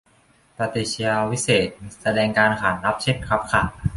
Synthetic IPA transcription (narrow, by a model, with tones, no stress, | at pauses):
pa˧t̪eː˧t͡ɕʰi˧a˧wi˦˥seː˨˩t̪̚sa˧dɛː˧ŋkaː˧nkʰaː˩˦nɾa˦˥p̚t͡ɕʰe˧˥˩t̪̚kʰɾa˦˥p̚kʰa˥˩